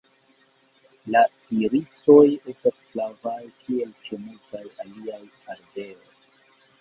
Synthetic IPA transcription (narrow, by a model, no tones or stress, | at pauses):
la | iɾiso̞je̞stasplavajkie̞lt͡ʃemultajaliaj | alde̞o̞j